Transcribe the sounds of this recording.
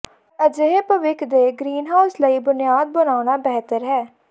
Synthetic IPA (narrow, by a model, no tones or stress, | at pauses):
əd͡ʒeɦeːpəʋɪkʰd̪eːɡɾiːnɦaːʊsləiːbʊnɪjaːd̪̚bənaːɽ̃aːbɛːɦt̪əɾɦɛː